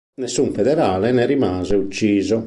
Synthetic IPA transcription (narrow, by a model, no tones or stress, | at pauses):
nesːuɱfɛd̪ɛɾaːlɛnɛɾimaːzɛut͡ʃːiːzɔ